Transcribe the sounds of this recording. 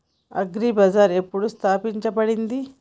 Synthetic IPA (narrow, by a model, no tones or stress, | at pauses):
ɐ̰ɡɾibɐd͡ʒaːɾe̞pːuɽust̪ʰaːpiɲt͡ʃɐbɐɽind̪i